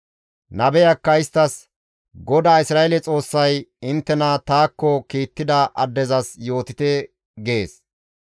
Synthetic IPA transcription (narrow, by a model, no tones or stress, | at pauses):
nɐbɛjɐkːɐɪst̪ːɐs | ɡɔd̪aːɪsɾaːelɛt͡sʼo̞ːsːɐjɪnt̪ːɛnɐt̪aːkːɔkiːt̪ːɪd̪ɐʔɐd̪ːɛzɐsjo̞ːt̪ɪt̪ɛ | ɡeːs